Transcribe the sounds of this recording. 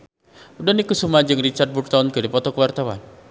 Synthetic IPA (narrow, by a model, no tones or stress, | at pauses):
udɔnikusumad͡ʒɨŋrit͡ʃart̪̚buk̚t̪ankədipɔt̪ɔkəwart̪awa̰n